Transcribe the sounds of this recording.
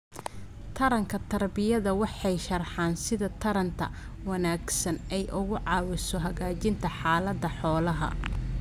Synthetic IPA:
t̪ʰɐɾɐŋkʰɐt̪ʰɐrbɪjɐðɐwɑħɑjʃɐrħɑːnsɪðɐt̪ʰɐɾɐnt̪ʰɐ̰ | wɐnaːɡsɐnɛjʔʊɣʊʕɑːwɪsɔɦɐɣaːt͡ʃɪnt̪ʰɐħɑːlɐd̪ːɐħɔːlɐɦɐ̰

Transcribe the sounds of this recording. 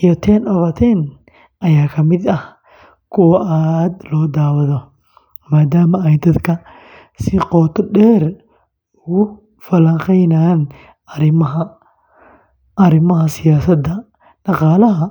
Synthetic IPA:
ɪjɐt̪ʰɛnɔβɐt̪ʰɛn | ʔɐjaːkʰɐmɪd̪ɐh | kʰʊwɐʔad̪lɔːd̪aːwɐðɔ | maːd̪aːmɐɛjd̪ɐd̪kʰɐ | sɪqɔːt̪ʰɔɖɛːr | ʊɣʊ | fɐlɐŋqɛjnaːn | ɾɪmɐ | ɐɾɪmɐɦɐsɪjaːsɐd̪ɐ | ɖɑqɑːlɐɦɐ

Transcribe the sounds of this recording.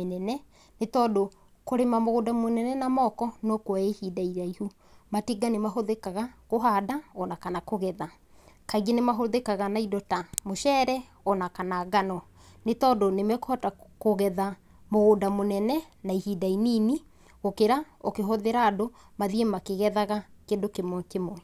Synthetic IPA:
enɛnɛ | netɔːdo | koɾemamoɣodamonɛnɛnamɔkɔnokwaehidaiɾaihu | matiɡanemaɦoðekaɣakoɦadaɔnakanakoɣɛða | kaiɣenemaɦoðekaɣanaidɔtamoʃɛɾɛ | ɔnakanaɡanɔ | netɔdonemɛkohatakoɣɛða | moɣodamonɛnɛ | naihidainiːni | ɣokeɾa | okeɦoðeɾaːdo | maðiemakeɣɛðaɣakeːndokemwkemoɛ

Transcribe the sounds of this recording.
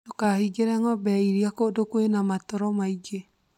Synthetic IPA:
tokahiɡeɾɛŋɔbɛiɾiakodokwenamatɔɾɔmaiɡe

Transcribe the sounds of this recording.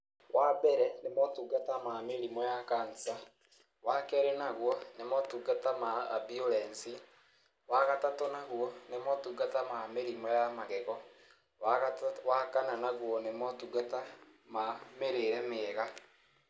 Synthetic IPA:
wabɛɾɛnemɔtuɡatamameɾimɔjakaːnsa | wakɛɾɛnaɣwɔnemɔtuɡatamaːbiolɛnsi | waɣatatɔnaɣwɔnemɔtuɡatamameɾimɔjamaɣɛɣɔ | waɣawakananaɣwɔnemɔtuɡata | mameɾeɾɛmeɛɣa

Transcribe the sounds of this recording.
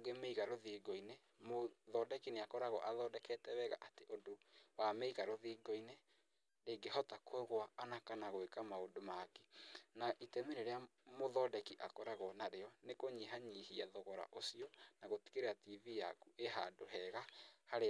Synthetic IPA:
oɡemeiɣaɾoðiːɡɔine | moðɔdɛkineakɔɾaɣɔʔaðɔdɛkɛtɛwɛɣa̰ʔateʔodowameiɣaɾoðiːɡɔine | ɾeɡehɔtakwɛɣwaːnakanaɣoekamaodomake̥naʔitɛmeɾeɾeamoðɔdɛkiʔakɔɾaɣɔnaɾeɔnekoɲiɦaɲihiaðɔɣɔɾa̰ʔosiɔnaɣoti̥keɾeativiːja̰kuʔeɦa̰doɦɛɣahaɾe

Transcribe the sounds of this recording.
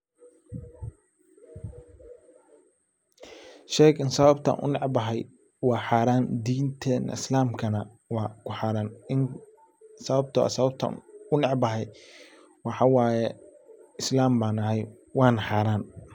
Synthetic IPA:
ʃɛːɡɪnsɐβɐbt̪ʰɐ̰nʔʊ̰nɛʕbɐɦɛj | wɑːħaːɾaːnd̪iːnt̪ʰɛːnɐ̰ɪslaːmkʰɐnɐ | wɑːkʰʊħɑːɾaːnɪn | sɐβɐb̚t̪ʰɐ̰sɐβɐb̚t̪ʰɐ̰ʊnɛʕbɐɦɛj | wɑħɑwɑːjɛɪslaːmbaːnɐɦɛj | wɑːnɐħaːɾaːn

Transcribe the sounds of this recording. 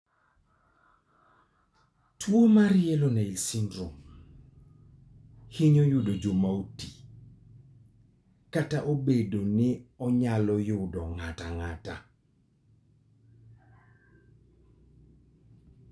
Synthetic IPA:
twomaɾɪeloneilsindɾum | hiɲojʊdod͡ʒomauti̥ | kataʔobedonɪɔɲalɔjʊdɔŋataŋata̰

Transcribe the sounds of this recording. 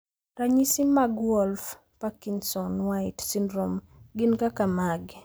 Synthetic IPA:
raɲisimaɡwɔlf | pakinsɔnwajtsindɾɔm | ɡɪnkakamaɡ

